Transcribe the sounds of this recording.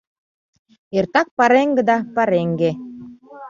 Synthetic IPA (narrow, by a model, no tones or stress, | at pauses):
ert̪ɑk̚pɑɾeŋɡɘ̆d̪ɑpɑɾeŋɡe